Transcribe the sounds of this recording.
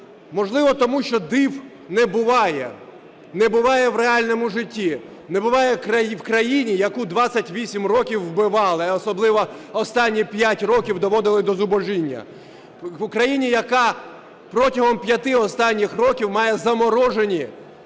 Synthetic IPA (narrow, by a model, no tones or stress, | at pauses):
mɔʒlˠɪʋɔt̪ɔmuʃt͡ʃɔd̪ɪw | nɛbʊʋɑjɛ̰ | nɛbʊʋɑjɛwreɑlʲnɔmʊʒɪtʲːi | nɛbʊʋɑjɛkɾɐwkɾɐjinʲijɐkud̪ʋɑt͡sʲːɐtʲʋʲisʲimrɔkʲiwːbɪʋɑlˠɪɔsɔblˠɪʋɔɔst̪ɑnʲːipʲjatʲrɔkʲiwd̪ɔʋɔd̪ɪlˠɪd̪ɔzʊbɔʒinʲːɐ̰ | ʊkɾɐjinʲijɐkɑ | pɾɔtʲɐɦɔmpʲjɐt̪ɪɔst̪ɑnʲːixrɔkʲiwmɑjɛzɐmɔɾɔʒenʲi